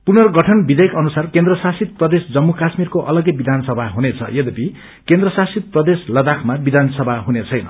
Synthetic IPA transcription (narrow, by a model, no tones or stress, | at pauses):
punʌrɡʌʈʰʌnbid̪ʌjʌkʌnusarkend̪rʌsasit̪̚prʌd̪esd͡zʌmːukasmirkoʔʌlʌɡʌbid̪ʱansʌbʱaɦunet͡sʰʌ̰jed̪ʌpi | kend̪rʌsasit̪̚prʌd̪eslʌd̪akʰmabid̪ʱansʌbʱaɦunet͡sʰʌjnʌ̰